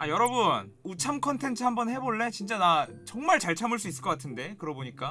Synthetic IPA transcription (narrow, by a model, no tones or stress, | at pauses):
ajʌɾʌbun | ut͡ɕʰamkʰʌntʰe̞nt͡ɕʰɯhambʌnhe̞boɭːe̞t͡ɕint͡ɕ͈anat͡ɕʌŋmaɭt͡ɕaɭt͡ɕʰamɯɭs͈uis͈ɯɭkʌk͈atʰɯnde̞kɯɾʌboɲik͈a